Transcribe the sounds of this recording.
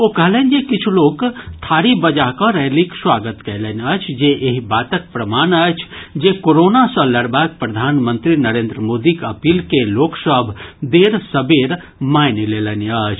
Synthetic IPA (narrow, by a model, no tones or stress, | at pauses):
okəɦlənd͡ʒekit͡ʃʰulokt̪ʰaːɾibəd͡ʒaɦkɔ̃ɾɛɦlikswaɡət̪kəɪlənət͡ʃʰd͡ʒeʔeɦibaːt̪ək̚pɾəmaːnət͡ʃʰd͡ʒekoɾonasə̃ləɽbak̚pɾəd̪ʱaːnmənt̪ɾinəɾeːnd̪ɾəmod̪ikəpiːlkeloːksəbʱd̪eɾsəbeɾ | majnileləniət͡ʃʰ